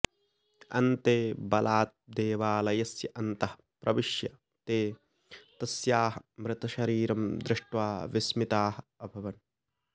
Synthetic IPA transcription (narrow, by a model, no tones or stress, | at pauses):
ɐ̰nt̪eːbɐlaːt̪̚d̪eːʋaːlɐjɐsjɐʔɐnt̪ɐhɐ̥ | pɾʔɐʋɪʃjɐ | t̪eː | t̪ɐsjaːɦɐmɾɪt̪ɐʃɐɾiːɾɐmd̪ɾɪʂʈʋaːʋɪsmɪt̪aːɦɐɐbʱɐʋɐn